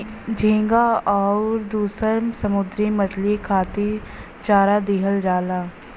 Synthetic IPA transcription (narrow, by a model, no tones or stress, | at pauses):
d͡ʒʱĩːŋɡaɔːɾd̪uːsəɾsɐmʊd̪ɾiməʈlikʰaːt̪i | t͡ʃaːɾad̪eɦəld͡ʒaːlaː